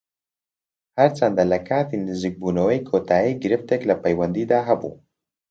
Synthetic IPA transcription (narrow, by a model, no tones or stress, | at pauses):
haɾt͡sand̪alakat̪ind̪izik̚bunowejkʰot̪aeɡɾɪft̪eklapajwand̪id̪aɦabṵ